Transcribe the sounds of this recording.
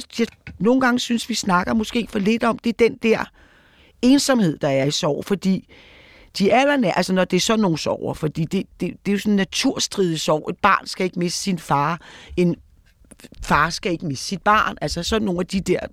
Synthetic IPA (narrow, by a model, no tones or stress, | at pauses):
jɑno̝ːn̩ɡ̥ɑ̈ŋəsynsʋisnɑ̈ɡ̥ɐmɔ̽sɡ̥e̝̰ːfɒ̽le̝d̥ɒ̽md̥e̝ɐd̥end̥æɐ̰ | e̝ːnsɒ̽mhe̝ð̞̰ˠd̥ɑ̈æɐisɒʊ̰fɒ̽d̥ḭː | d̥iælɐnæɐʔælsɐnɒd̥e̝ɐsɒ̽nːo̝ːn̩sɒʊ̰ɐfɒ̽d̥ḭːd̥e̝d̥e̝d̥e̝jo̝sɒ̽nnːæt͡sʰuɐ̰sd̥ʁiːð̞ˠəsɒʊ̰e̝d̥̚b̥ɑ̰̈ːnsɡ̥æe̝ɡ̥əme̝sd̥ə̥sinfɑ̈ːe̝n | fɑ̈ːsɡ̥æe̝ɡ̥əme̝sd̥sid̥̚b̥ɑ̈ːnʔælsɐsɒ̽dnːo̝ːnæd̥id̥eɐ̰